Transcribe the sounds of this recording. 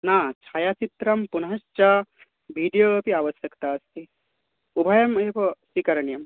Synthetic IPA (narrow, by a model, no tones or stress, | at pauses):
naːt͡ʃʰaːjaːt͡ʃit̪ɾɐmpunɐɦɐʃt͡ʃa | bʱiːɖijopiaːʋɐsjɐkt̪aːɐst̪ʰi | ubʱɐjɐmeːposʋikɐɾɐɳjɐm